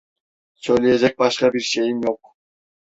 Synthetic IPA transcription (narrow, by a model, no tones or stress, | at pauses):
solʲiezek̚bɑʃqɑbiɾʃejimjoq̚